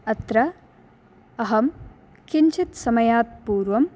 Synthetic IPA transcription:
ɐt̪ɾɐ | ɐɦɐm | kint͡ʃʰit̪sɐmɐjaːt̪̚puːɾʋɐm

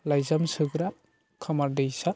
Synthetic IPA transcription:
lajzamsɯɡɾap̚ | kʰamaɾdejsa

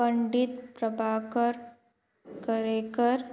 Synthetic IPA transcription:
ə̃ɳɖɪt̪pɾəbʱaːkəɾ | kəɾeːkəɾ

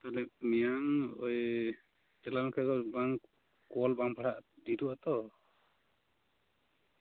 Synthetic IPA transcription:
t̪alɛmijaŋɔj | t͡ʃɛlankʰɛkɔbaŋ | kɔlbaŋpʰaɽaʔd̪iɾuat̪ɔ

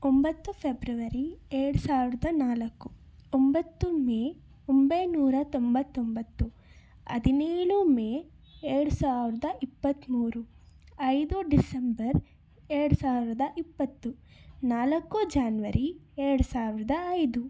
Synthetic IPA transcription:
ombɐt̪ːupʰebɾɐʋɐɾieɾɽusaːʋiɾɐd̪ɐnaːlɐkːu | ombɐt̪ːumeː | ombɐjnuːɾɐt̪o̞mbɐt̪ːo̞mbɐt̪ːu | ɐ̰d̪ineːɭumeː | eɾɽusaːʋiɾɐd̪ɐʔipːɐt̪ːmuːɾu | ɐjd̪uɖisembɐɾ | eɾɐɽusaːʋiɾɐd̪ɐʔipːɐt̪ːu | naːlɐkːud͡ʒaːnʋɐɾʔieɾɐɽusaːʋiɾɐd̪ɐɐjd̪u

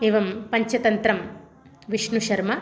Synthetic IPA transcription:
eːʋɐmpɐɲt͡ʃɐt̪ɐnt̪ɾɐm | ʋiʂɳuʃɐɾmɐ

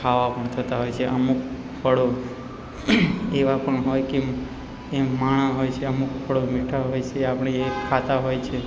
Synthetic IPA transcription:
kʰaʋapəɳt̪ʰət̪aɦojt͡ʃʰeʔə̰mukʰ | pʰəɽo | eʋapəɳɦojke | emaɽ̃ãɦojt͡ʃʰeəmukpʰəɽomiʈʰaɦojt͡ʃʰeapɳ̃iekʰat̪aɦojt͡ʃʰe

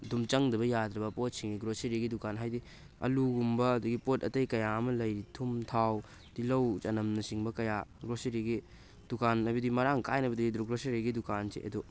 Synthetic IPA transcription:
dumt͡ʃɐŋdɐbɐjad̪ɾɐbɐpot̚siŋɡiɡɾoseɾiɡidukanɦajdi | ɐ̰luɡumbɐːduɡipotɐtɐjkɐjaɐmɐlɐjɾitʰumtʰaw | tilɐwt͡ʃɐnɐmnɐsiŋbɐkɐjaɡɾoseɾiɡi | dukanajbɐdimɐɾaŋkajnɐbɐdidɾuɡɾoseɾiɡidukansḛʔɐ̰du

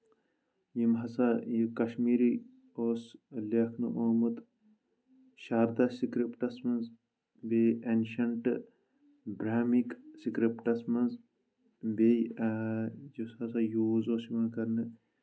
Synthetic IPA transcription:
jimɦɐsajikɐʃmiːɾi | oːslekʰnɨʔoːmut̪ | ʃaːɾd̪asikɾipʈɐsmɐnz | beenʃɐɳʈ | bɾaːmiksikɾipʈɐsmɐnz | beː | d͡ʒushɐsajuːzoːsimɐnkɐɾnɨ

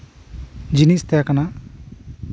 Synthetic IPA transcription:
d͡ʒinist̪ɛjakana

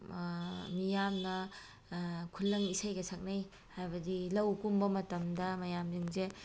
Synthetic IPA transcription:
mijamnɐ | kʰulːɐŋisajɡɐsʰak̚naj | hajbɐdilɐwkumbɐmɐtɐmdɐmɐjamdiŋze

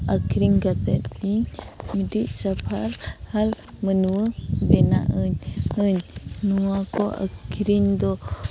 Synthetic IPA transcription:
akɾiŋɡat̪ɛ̰t̪biŋmidiʔsapʰalhal | mənuəbɛna̰ʔəɲəɲnuakɔʔa̰kʰiɾiŋd̪ɔ

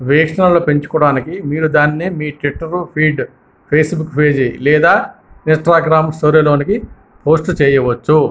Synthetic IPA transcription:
ʋɛːkʂɐnɐloːpe̞ɲt͡ʃu̥kɔɽaːnikimiːɾud̪aːnːimiːʈʋiʈːɐɾpʰiːɖ | pʰeːsbukːpʰeːd͡ʒilɛːd̪aːinsʈɾaːɡɾaːmsoːɾelo̞ːniki | pʰo̞ːsʈt͡ʃɛːjɐʋɐt͡ʃːu

